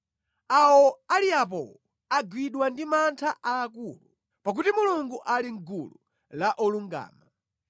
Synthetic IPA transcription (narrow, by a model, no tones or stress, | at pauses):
awɔaliap̬ɔ̰ | aɡwiɗwandimantʰaʔaːkuːlu | pak̬utimuluŋɡuʔaliŋɡṵlṵ | laʔɔluŋɡa̰ːma